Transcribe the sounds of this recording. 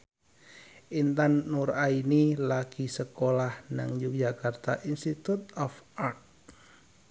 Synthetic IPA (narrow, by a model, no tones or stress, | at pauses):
ʔint̪anːurainilaɡisəkolahna̰ŋd͡ʒuk̚d͡ʒakart̪aʔinst̪it̪ut̪̚ɔfart̚